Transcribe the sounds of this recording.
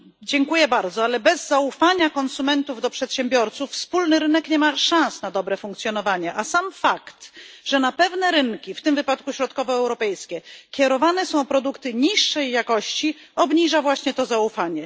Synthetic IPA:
d͡ʑɛŋkujɛbaɾd̪zɔalɛbɛzːaufaɲakɔnsumɛnt̪uvd̪ɔpʂɛt̪ɕɛmbʲjɔɾt̪sufːspulnɘɾɘnɛkɲɛmaʂãñsnad̪ɔbɾɛfũŋkt̪sʲjɔnɔvaɲɛʔasamfakt̪ʐ̥ɛnapɛvnɛɾɘnkʲift̪ɘmvɘpat̪kuɕɾɔt̪̚kɔvɔɛwɾɔpɛjskʲɛkʲɛɾɔvanɛsɔ̃w̃pɾɔd̪ukt̪ɘɲiʂːɛjːakɔɕt͡ɕi | ɔbɲiʐavwaɕɲɛt̪ɔzaufaɲɛ

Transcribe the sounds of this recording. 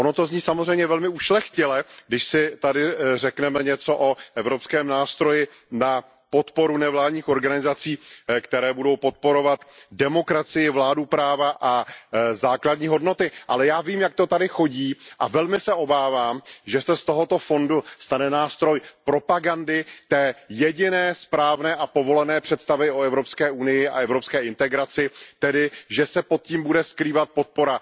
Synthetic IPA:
ʔonot̪o̞zɲiːsamozrɛjmɲɛvɛlmɪuʃlɛxcɪlɛɡdɪʃsɪt̪adɪrɛknɛmɛɲɛt͡so̞ʔoʔɛvɾopskɛːmnaːst̪ɾo̞jɪ | na | pot̪po̞ɾunɛvlaːdɲiːxoɾɡanɪzat͡siːkt̪ɛɾɛːbudo̞wpo̞t̪̚po̞ɾo̞vat̪dɛmo̞kɾat͡sɪjɪvlaːdupɾaːvaʔazaːkladɲiːɦo̞dno̞t̪ɪʔa̰lɛjaːviːmjak̚t̪ot̪adɪxo̞ɟiːʔa̰vɛlmɪsɛʔo̞baːvaːmʒɛsɛst̪o̞ɦo̞t̪o̞fo̞ndust̪anɛnaːst̪ɾo̞jpɾo̞paɡandɪt̪ɛːjɛɟɪnɛːspɾaːvnɛːʔapo̞vo̞lɛnɛːpr̝̥ɛt̪st̪avɪoɛvɾo̞pskɛːʔunɪjɪa̰ɛvɾo̞pskɛːʔɪnt̪ɛɡɾat͡sɪt̪ɛdɪʒɛsɛpo̞t̪̚ciːmbudɛskɾiːvat̪̚pot̪̚po̞ɾa

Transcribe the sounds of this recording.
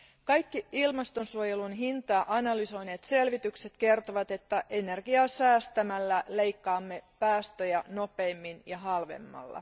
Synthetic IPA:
kɑjkːiilmɑst̪o̞nsuojelunɦint̪ɑːʔɑnɑlyso̞jne̞ːt̪se̞lʋit̪ykse̞t̪ke̞rt̪oʋɑt̪e̞t̪ːæʔe̞ne̞rɡ̥iɑsæːst̪æmælːæle̞jkːɑːmːe̞pæːst̪øjænope̞ːmːinjɑɦɑlʋḛmːɑ̰lːɑ̰

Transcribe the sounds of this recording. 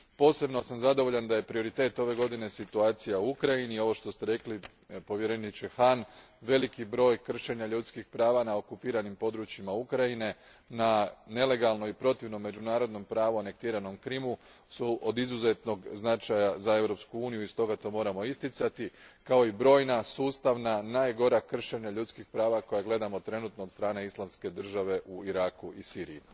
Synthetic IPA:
po̞ːse̞bno̞samzad̪o̞ʋo̞ʎand̪ajepɾio̞ɾit̪e̞ːt̪o̞ʋe̞ɡo̞d̪ine̞sit̪uaːt̪sijauukɾajinio̞ʋo̞ʃt̪o̞st̪e̞ɾe̞kli | po̞ʋjeɾe̞nit͡ʃexan | ʋe̞likibɾo̞ːjkr̩ʃe̞ɲaʎut̪skixpɾaːʋanao̞kupiːɾanimpo̞d̪ɾut͡ɕimaukɾaine̞ | nane̞le̞ɡalˠno̞ipɾo̞t̪iʋno̞mːe̞d͡ʑunaːɾo̞d̪no̞mpɾaːʋuane̞k̚t̪iːɾano̞mkɾimu | suʔod̪izuze̞t̪no̞ɡznat͡ʃajazae̞ʋɾo̞pskuuːnijuist̪o̞ɡat̪o̞ːmo̞ːɾamo̞ist̪it̪sat̪ikao̞ibɾo̞ːjnasuːst̪aʋnanaːjɡo̞ɾakr̩ʃe̞ɲaʎut̪skixpɾaːʋako̞jaɡle̞d̪amo̞t̪ɾe̞nut̪nod̪st̪ɾaːne̞islˠamske̞d̪r̩ʒaʋe̞ʔuiɾakuisiːɾijː

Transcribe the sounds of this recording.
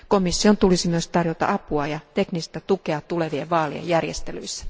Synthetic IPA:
ko̞misːio̞nt̪ulisimyøst̪ɑrjot̪ɑ̰ʔɑpuɑjɑt̪e̞knist̪æt̪ukeɑt̪ule̞ʋieʋɑːliḛjærjest̪elyjsːæ̥

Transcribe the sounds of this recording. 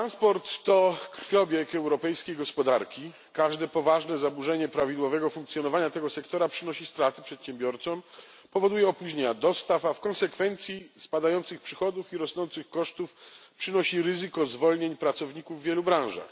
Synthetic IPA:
t̪ɾanspɔɾt̪ːɔkɾfʲjɔbʲjɛkɛwɾɔpɛjskʲejɡɔspɔd̪aɾkʲi | kaʐd̪ɛpɔvaʐnɛzabuʐɛɲɛpɾavʲid̪wɔvɛɡɔfuŋk̚t̪sʲjɔnɔvaɲat̪ɛɡɔsɛkt̪ɔɾapʂɘnɔɕist̪ɾat̪ɘpʂɛt̪ɕɛmbʲjɔɾt̪sɔm | pɔvɔd̪ujɛɔpuʑɲeɲad̪ɔst̪afafkɔnsɛkfɛnt̪sʲjispad̪ajɔnt̪sɘxpʂɘxɔd̪ufiɾɔsnɔnt̪sɘxkɔʂt̪ufpʂɘnɔɕiɾɘzɘkɔzvɔlɲeɲpɾat̪sɔvɲikuvːjɛlubɾãw̃ʐa̰x

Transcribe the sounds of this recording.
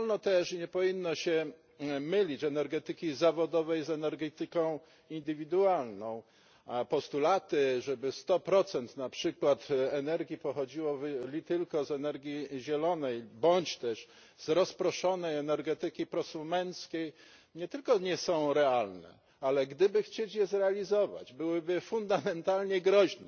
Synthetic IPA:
ɔlnɔt̪ɛʂɲɛpɔvʲinːɔɕɛ | mɘlʲit͡ɕɛnɛɾɡɛt̪ɘkʲizavɔd̪ɔvɛjzɛnɛɾɡɛt̪ɘkɔ̃w̃ | ind̪ɘvʲid̪ualnɔ̃w̃ | apɔst̪ulat̪ɘʐɛbɘst̪ɔpɾɔt̪sɛnt̪napʂɘkwat̪ɛnɛɾɡʲjipɔxɔd͡ʑiwɔvlʲit̪ɘlkɔzɛnɛɾɡʲjiʑɛlɔnɛjbɔɲt͡ɕt̪ɛʂ | zɾɔspɾɔʂɔnɛjɛnɛɾɡɛt̪ɘkʲipɾɔsumɛnt̪skʲej | ɲɛt̪ɘlkɔɲɛsɔ̃w̃ɾɛalnɛ̰ | alɛɡd̪ɘbɘxt͡ɕet͡ɕjɛzɾɛalʲizɔva̰d͡ʑbɘwɘbɘfund̪amɛnt̪alɲɛɡɾɔʑnɛ

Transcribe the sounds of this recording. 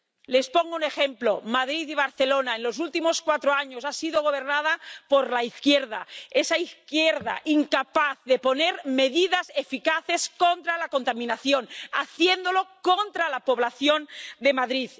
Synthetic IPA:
le̞spoŋɡoune̞xemplo̞maðɾiðiβ̞aɾθelo̞naenlo̞s̬ult̪imo̞skwat̪ɾoaɲosasiðoɣ̞o̞β̞e̞ɾnað̞apo̞ɾlaiθkjeɾða̰esaiθkjeɾða̰ʔiŋkapaθðepo̞ne̞ɾme̞ðiðasefikaθe̞skont̪ɾalako̞nt̪amĩnaθjona̰θje̞nd̪o̞lo̞kont̪ɾalapo̞β̞laθjo̞nd̪e̞maðɾið

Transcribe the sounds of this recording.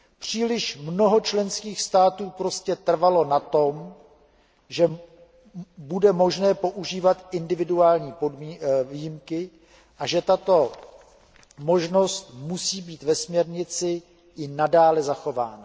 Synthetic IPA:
pr̝̥iːlɪʃmno̞ɦo̞t͡ʃlɛnskiːxst̪aːt̪uːpɾo̞scɛt̪r̩valo̞nat̪om | ʒɛ | budɛmo̞ʒnɛːpo̞ʔuʒiːvat̪ʔɪndɪvɪduaːlɲiːpodmivijɪmkɪ | ʔaʒɛt̪at̪o̞ | mo̞ʒno̞st̪musiːbiːt̪vɛsmɲɛɾɲɪt͡sɪ | ʔɪnadaːlɛzaxo̞vaːna

